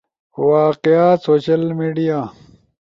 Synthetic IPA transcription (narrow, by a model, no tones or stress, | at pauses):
waːqeaːsoːɕɐlmiːɖijaː